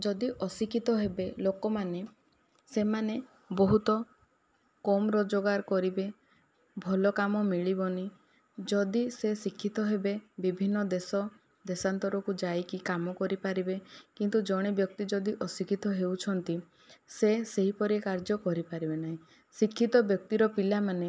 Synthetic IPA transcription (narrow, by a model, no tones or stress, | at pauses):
d͡ʒɔd̪iʔɔsikʰit̪ɔɦebelokɔmane | semane | bɔɦut̪ɔ | kɔmɾɔd͡ʒoɡaɾkɔɾibe | bʱɔlɔkamɔmiɭibɔni | d͡ʒɔd̪isesikʰːit̪ɔɦebebibʱinːɔd̪esɔ | d̪esant̪ɔɾɔkud͡ʒajkikamɔkɔɾipaɾibekint̪ud͡ʒɔɽ̃ebjɔk̚t̪id͡ʒɔd̪iʔɔsikʰit̪ɔɦewt͡ʃʰɔnt̪i | seseɦipɔɾiekaɾd͡ʒɔkɔɾipaɾibenaɦĩ | sikʰːit̪ɔbjɔk̚t̪iɾɔpilamane